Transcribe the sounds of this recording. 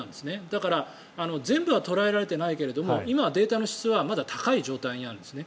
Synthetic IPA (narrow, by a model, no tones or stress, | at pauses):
ãnd̪e̞sɨned̪akaɾa | ano̞zẽ̞mbɯ̟β̞at̪o̞ɾae̞ɾaɾe̞t̪e̞naike̞ɾe̞d̪o̞mo̞ʔimaβad̪e̞ːt̪ano̞ɕi̥t͡sɨβamad̪at̪ʰḁkaiʑo̞ːt̪aiɲiaɾɯ̃nd̪sɨne̞